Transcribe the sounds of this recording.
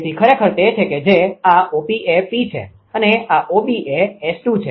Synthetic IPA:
t̪ʰikʰəɾekʰəɾt̪et͡ʃʰeked͡ʒeaobiʔepit͡ʃʰḛ | əneaʔobiʔeɛsʈut͡ʃʰe

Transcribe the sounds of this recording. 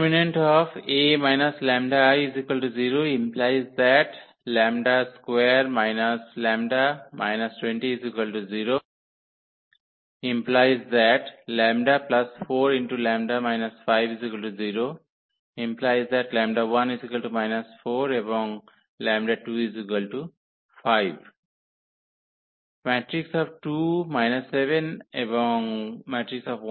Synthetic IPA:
minẽɳʈɔfemaɪnaslɛ̃mɖaajizikəlʈuziɾoːĩmplaɪzd̪ɛʈ | lɛ̃mɖaskweɾmaɪnəslɛ̃mɖamʔa̰ɪnɐsʈwẽɳʈiizikəlʈuziːɾo | ĩmplaɪzd̪ɛʈlɛ̃mɖaplɐsfoːɾĩɳʈulæ̃ːmɖamaɪnɐsfaɪʋizikəlʈuziːɾoː | ĩmplaɪzd̪ɛʈlæ̃ːmɖaʋʌ̃nizikəlʈumaɪnɐsfoːɾeʋɔ̃ːŋ | læ̃ːmɖaʈuːizikəlʈu | faɪʋ | mæːʈɾiksɔːʋʈuːmaɪnɐsːeʋẽneʋɔ̃ŋmæːʈɾiksɔːʋ

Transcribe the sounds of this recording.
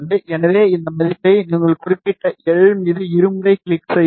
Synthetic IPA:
ðɯɛnɐʋeːɪnd̪ɐmɐðɪtːɐɪniːŋɡɐɭkʊrɪpːɪʈːɐɛɻɯmiːðɯɪɾɯmɯɾɐɪkɪɭɪkːsɛj

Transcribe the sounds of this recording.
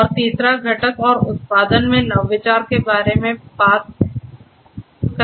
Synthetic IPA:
ɔːɾt̪iːsɾaɡʱɐʈəkɔːɾʊt̪̚paːd̪ənmẽnɐʋːɪt͡ʃaːɾkebaːɾemẽbaːt̪̚ | k

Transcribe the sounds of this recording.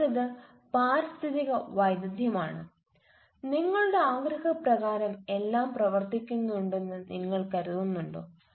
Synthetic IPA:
ɐðɨ | paːɾist̪ʰiðiɣɐʋɐjd̪ɐd̪ʱjɐmaːɳɨ | niŋːɐɭuɽe̞aːɡɾɐɣɐprɐɣaːɾɐme̞lːaːmprɐʋɐrt̪ikʲːunːuɳɖe̞nːɨnʔiŋːɐɭkɐɾuðunːuɳɖo̰ː

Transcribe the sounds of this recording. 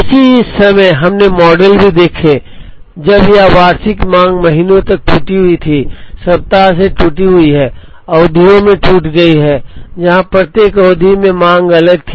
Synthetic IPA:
ɪsiɪsːɐməjɦɐmnemɔːɖəlbʱid̪eːkʰe | d͡ʒɐbjaʋaːɾsɪkmãːŋɡmɐɦinõt̪ɐk̚ʈuːʈiɦʊit̪ʰisɐb̚t̪aɦseʈuːʈiɦʊiɦɛː | ɔːd̪ʱijõmẽʈuːʈɡɐiɦɛːd͡ʒɐɦãpɾət̪eːkɔʊd̪ʱimẽmãːŋɡɐləɡ̚t̪ʰː

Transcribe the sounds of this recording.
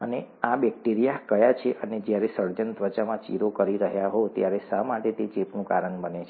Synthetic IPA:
əneabɛk̚ʈiɾijakəjat͡ʃʰeʔəned͡ʒjaɾesəɾd͡ʒənt̪ʋət͡ʃamãt͡ʃḭɾokəɾiɾəɦjaɦot̪jaɾesamaʈet̪et͡ʃepnũka̰ɾəɳbənet͡ʃʰe

